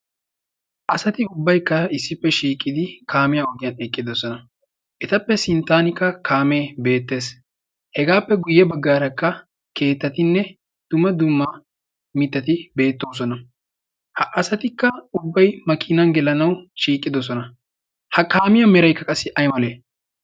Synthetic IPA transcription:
ʔɐsɐt̪ɪʊbːɐjkːɐɪsːɪpːɛʃiːkʼːɪd̪ɪkʰaːmɪjɐɔɡɪjɐnɛkʼːɪd̪ɔsɔnɐ | ʔɛt̪ɐpːɛsɪnt̪ːaːnɪkːɐkʰaːme̞ːbe̞ːt̪ːe̞ːs | hɛɡaːpːɛɡʊjːɛbɐɡːaːɾɐkːɐ | ke̞ːt̪ːɐt̪ɪnːɛ | d̪̥ʊmɐd̪ʊmːɐ | mɪt̪ːɐt̪ɪbe̞ːt̪ːo̞ːs̬ɔnɐ | hɐʔɐsɐt̪ɪkːɐʊbːɐjmɐkʰɪnɐnɡɛlɐnɐwʃiːkʼːɪd̪ɔs̬ɔnɐ | hɐkaːmɪjɐmɛɾɐjkːɐkʼɐsːɪʔɐjmɐleː

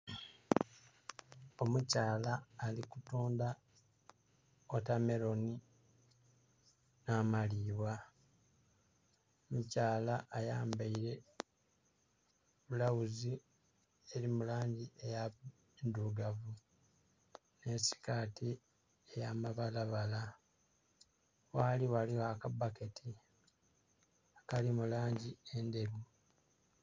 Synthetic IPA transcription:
o̞mucaːlaːlikutuːnda | otame̞ɾo̞ni | naːmaliːwwa | omucaːlaʔːjaːmbaiɾe̞ | βulawuzi | eɾimulaːɲɟiʔeja | enduɡavu | ne̞si̥kaːtʰi | ejamaβalaβala | waliwaliwakabaketʰi | kalimulaːɲɟiende̞βu

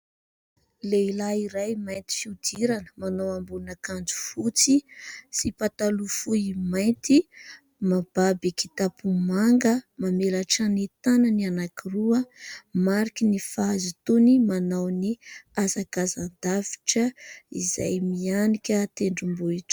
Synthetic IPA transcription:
leilaiɾajmajnt̪i̥fiud̪iɾanə̥manawambunakand͡zu̥fut͡sisipat̪alufuimaj̪t̪i | mab̥abeki̥t̪apumaŋɡəmamelaʈ͡ʂanit̪anənianakiruəmaɾikʲinifaazut̪unimanawniasaɡazand̪avi̥ʈ͡ʂəiza̰jmianikʲət̪eɳɖ͡ʐumbuiʈ͡ʂə̥

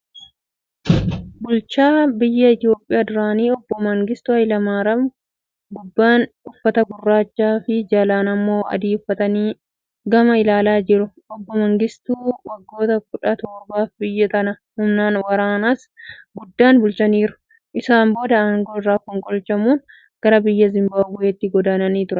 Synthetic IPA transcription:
bʊlt͡ʃaːbɪjːɐɪt̪jo̞ːpʼːɪjaːd̪ʊɾaːniːɔbːɔmɐŋɡɪst̪ʊhɐjlɐmaːɾɐm | ɡʊbːaːn | ʊfːɐt̪ɐbʊrːaːt͡ʃːaːfɪd͡ʒɐlaːnɐmːo̞ːɐ̰d̪iːʊfːɐt̪ɐniː | ɡɐmɐɪlaːlaːd͡ʒɪɾʊ | ɔbːɔmɐŋɡɪst̪uːwɐɡːo̞ːt̪ɐkʊᶑɐt̪ɔːɾbaːfbɪjːɐt̪ɐnɐ | hʊmnaːnwɐɾaːnaːs | ɡʊd̪ːaːnbʊlt͡ʃɐniːɾʊ̥ | ʔɪsaːmbo̞ːd̪ɐaŋɡoːɪrːaːkɔŋkʼɔlt͡ʃɐmuːn | ɡ̥ɐɾɐbɪjːɐzɪmbɐbʊet̪ːɪɡɔd̪aːnɐniːt̪ʊɾɐ

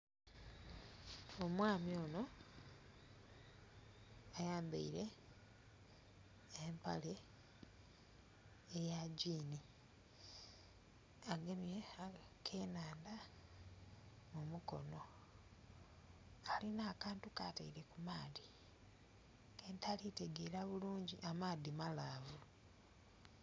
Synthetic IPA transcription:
omwaːmjo̞ːno̞ | ajaːmba̰iɾe̞ | empa̰le̞ | ejaɟiːni | aɡeme | kʰe̞naːnda | mumuko̞̰no̞ | alinaːkaːntukataiɾe̞kumaːdi | keːntʰalite̞ɡeɾaβuluːɲɟiʔamaːdimalaːvu

